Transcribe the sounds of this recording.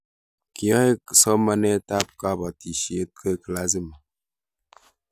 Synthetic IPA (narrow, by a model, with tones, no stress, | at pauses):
kjɔ˦e˦˨sɔ˦ma˦nɛ˦ta˦p̚ka˦ba˨ti˨ʃje˦t̚kʰə˦˨kə˨la˦zi˦m˨